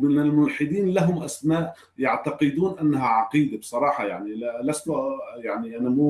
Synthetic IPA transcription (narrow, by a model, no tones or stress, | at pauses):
mɪnalmʊnħɪd̪iːnlaɦʊmʔasmaːʔ | jɑʕt̪ɑqɨd̪uːnʔanːaɦaʕɑqiːd̪absˤɑɾˤɑːħɑjaʕnillast̪ʊjaʕniʔanamu